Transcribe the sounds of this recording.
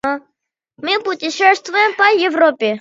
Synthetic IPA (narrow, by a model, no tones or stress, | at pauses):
mɪpʊtʲɪʂɛst̪vʊjɛmpɐjɛvɾɔpʲɪ